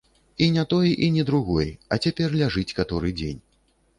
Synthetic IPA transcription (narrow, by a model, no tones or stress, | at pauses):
inʲat̪ɔjʔinʲɛd̪ɾuɣɔjɐt͡sʲapʲɛrlʲaʐɨt͡sʲkat̪ɔɾɨd͡zʲḛnʲ